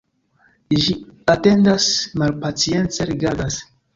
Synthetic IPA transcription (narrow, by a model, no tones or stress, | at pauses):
ʒiate̞ndasmalpat͡sie̞nt͡seɾiɡadas